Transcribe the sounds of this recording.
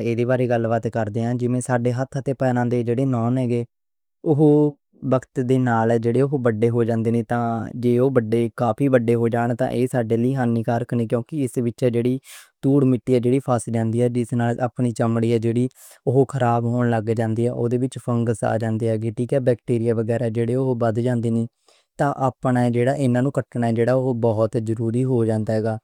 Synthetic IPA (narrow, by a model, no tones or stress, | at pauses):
eːd̪iːbaːɾeːɡəlbət̪kəɾd̪eːɛ̃ːd͡ʒɪʋẽːsaːɖeːɦət̪ʰɦət̪eːpɛːnãːnd̪eːd͡ʒeːɽeːnɔːnɛːɡeː | ʊɦ | bəkət̪d̪eːnaːlɛːd͡ʒeːɽeːoɦbəɖːeːɦoːd͡ʒãːnd̪eːneːt̪ãːd͡ʒeːoːbəɖeːkaːpʰiːbəɖːeːɦoːd͡ʒaːɳ̃t̪ã̰ːʔeːsaːɖeːliːɦənːiːkaːɾəkʰnĩːkjõːkɪɪsbɪtːt͡ʃɛːd͡ʒeːɽiːt̪uːɽmɪʈːiːɛːd͡ʒeːɽiːpʰaːsd͡ʒãːnd̪iːɛːd͡ʒɪsnaːlʔaːpɳiːt͡ʃəmɽiːɛːd͡ʒeːɽiː | oɦokʰəɾaːbɦoːɳləɡd͡ʒãːnd̪iːɛ̰ːʔoːd̪eːbɪt͡ʃpʰəŋɡəsa̰ːd͡ʒãːnd̪eːɦɛːɡeːʈiːkɛːbɛːkʈiːɾɪjaːʋəɡɛːɾaːd͡ʒeːɽeːoɦbəd̪d͡ʒãːnd̪eːniː | t̪ãːʔaːpɳaɛd͡ʒeːɽaːʔɪnãːnũːkəʈʰnaːɛːd͡ʒeːɽaːoɦobɔːt̪zəɾuːɾiːɦoːd͡ʒãːnd̪aːɦɛːɡaː